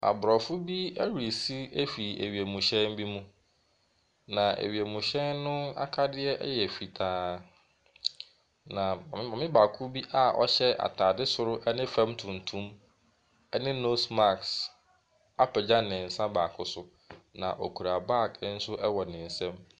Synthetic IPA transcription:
a̰˨bɾɔ˨fʊ˦bi˦ɛ˦ɾi˨si˦e˦fi˨ḛ˨ɥi˨e˨mũ˨ɕɛ̃˦m˦bi˦mũ˦ | nã˨ḛ˨ɥi˨e˨mũ˨ɕɛ˦nːʊ̃˦a̰˦kʰa˦dɪ˦ɛ˦ʔɛ̰˦jɛ˨fi˨tʰaː˨˦ | nã˨˦mã˨mɪ̃˦ba˨kʰu˦bi˦ʔa˦ʔɔ̰˦ɕɛ˦a̰˨tʰaː˨dɪ˦sʊ˦ɾʊ˦ʔɛ˦nɪ̃˦fã˦mtʰʊ̃˨n̩˨tʰũ˦m | ɛ˦nɪ̃˦no˦sma˦˨ks | a˦pʰɛ˨d͡ʑã˦nɪ̃˨n̩˨sã˦ba˨kʰʊ˦sʊ˨ | nã̰˨ʔɔ˨kʰu˨ɾa˨ba˦˨kn̩˦sʊ˦ʔɛ˦wɔ˨nɪ̃˨n̩˨sɛ̃˦m

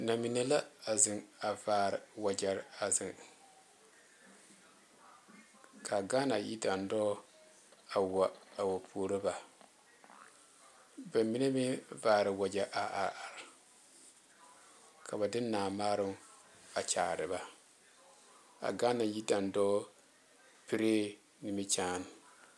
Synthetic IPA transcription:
na˨mi˨ne˦la˦a˨zɪ˨ŋa˨vaː˨ɾɪ˨wa˨d͡ʒa˨ɾa˨zɪ˨ŋ | kʰa˨ɡaː˦na˨jḭ˦da˨ndɔː˦ | a˨wa˨a˨wo˨pʰuː˨˦ɾo˦ba˨ | bɛ˨mi˦ne˦mi˦vaː˨ɾɨ˨wa˨d͡ʒa˨ʔa˨ʔa˨a˨ɾ | kʰa˨ba˨dɪ˦naː˨maː˦ɾɨ˦ | a˨t͡ʃa̰ː˨ɾɨ˨ba˦ | a̰˨ɡa˦na˨ji˦da˨ndɔː˦ | pi˦ɾeː˦ | ni˨mi˦t͡ʃaː˦n˨

